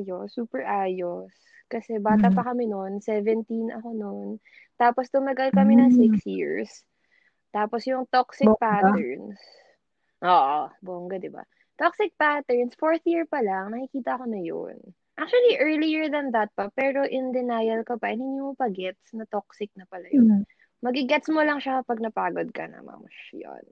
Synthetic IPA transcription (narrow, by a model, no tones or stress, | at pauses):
josuːpɛɹʔaːjos | kɐsɛbaːt̪ɐpɐkɐmɛnonsɛvɛnt̪inʔɐ̰ko̞non | t̪aːposd̪ʊmɐɡɐlkɐmɛnɐŋsɪksjiɹs | t̪aːposjʊŋt̪oksɪk̚pat̪ɛɹns | ʔoːʔoboŋɡɐd̪ɪbɐ̰ | t̪oksɪk̚pat̪ɛɹnsfoɹθjiɹpɐlɐŋnɐkɪkiːt̪ɐɐko̞nɐjo̰n | ʔak̚t͡ʃuɐliʔɛɹlijɛɹðɐnðɐt̪̚pɐpɛːɾo̞ʔɪnd̪ɪnajɐlkɐpɐʔɛnhɪnːimopɐɡɛt̪snɐt̪ok̚sɪk̚nɐpɐlɐjon | mɐɡɪɡɛt̪smolɐŋʃakɐpɐɡ̚nɐpaːɡod̪̚kɐnɐ̰ma̰mɐʃjo̰n